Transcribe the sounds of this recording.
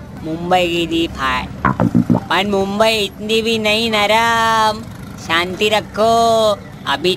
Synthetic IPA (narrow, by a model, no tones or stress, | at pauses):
mumbəiɡid̪ipʰaː | pɐɳmumbəiɪt̪nd̪ibʱinɐɦĩnɐɾam | ʃãːnt̪iɾɐkʰːo | ɐbʱi